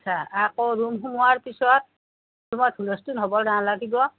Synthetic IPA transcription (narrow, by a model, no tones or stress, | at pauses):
sʰaakɔɹumɦumuaɹpisɔt̚ | umɔthulɔstunɦobɔlɾanlaɡibɔ